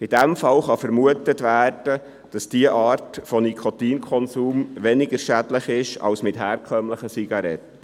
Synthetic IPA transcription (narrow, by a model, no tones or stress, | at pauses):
id̥æmfɑlχɑfəɾmuətətʋæːrd̥ə | d̥ɑsd̥iəʔɑːɾtfɔnikʰɔt̪iːnkʰɔnsuːmʋɛnɪɡəɾʃædləχɪʃɑ̰wsmɪthæːrkʰœmləχəsiɡ̥ɑɾɛ̰tː